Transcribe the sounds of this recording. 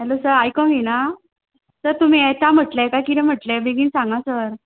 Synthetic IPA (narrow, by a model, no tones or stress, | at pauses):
ɦɛlosəɾajkɔ̃mina | səɾt̪um̤iːɛt̪am̤əʈlajkajkiɾɛ̃m̤əʈlebeɡʱiːnsãŋɡasəɾ